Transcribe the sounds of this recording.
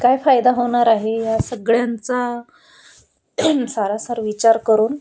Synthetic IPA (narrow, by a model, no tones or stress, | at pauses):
kajfajd̪aɦoɳ̃aɾaɦejasəɡɭjant͡sa | saɾasaɾʋit͡ɕaɾkəɾuːn